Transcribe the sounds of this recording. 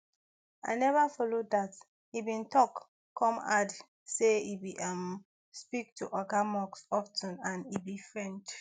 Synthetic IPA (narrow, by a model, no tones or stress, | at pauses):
a̰ɪnɛvafɔloddat | ibĩntʰɔk | kʰːɔ̃ma̰d | seibiʔam | spik̚tʰuʔɔɡamɔksɔftʰə̃nãnibifɹɛ̃nd